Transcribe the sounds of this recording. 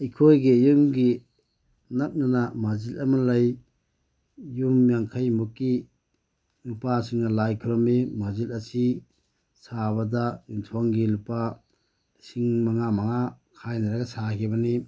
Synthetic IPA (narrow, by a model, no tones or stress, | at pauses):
ikʰojɡijumɡi | nɐp̚nanamazilɐmɐlɐj | jumjaŋkʰajmukːi | lupasiŋnɐlajkʰuɾɔmimazilɐsi | saβɐdaintʰwaŋɡilupa | siŋmaŋamaŋakʰajnaɾaɡɐsakʰibɐni